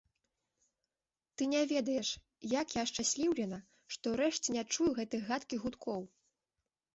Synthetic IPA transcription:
t̪ɨnʲavʲɛd̪ɐjɛʂ | jakjaʂt͡ʂasʲlʲiwlʲɛnɐ | ʂt̪ɔwɾɛʂt͡sʲɛnʲat͡ʂujuɣɛt̪ɨjɣat̪kʲiɣut̪kʰɔw

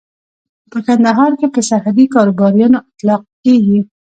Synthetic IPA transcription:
pəkand̪aɦɑɾkepəsahad̪ikɑɾobɑɾijɑnoat̪lɑq̚keɡi

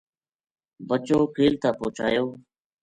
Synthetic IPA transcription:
bət͡ʃoːkʰeːlt̪ʰãːpoːt͡ʃa̰ːjoː

